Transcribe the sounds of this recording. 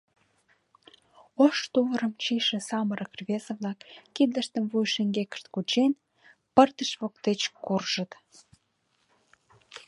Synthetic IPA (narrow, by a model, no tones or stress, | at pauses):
oʃt̪uβəɾəmt͡ɕiʃĕsɑməɾə̆krβezə̆βlɑkːid̪ləʃt̪əmvujʃĕŋɡekə̥ʃt̪kut͡ɕen | pərt̪əʃβok̚t̪et͡ɕkurʒə̆t̪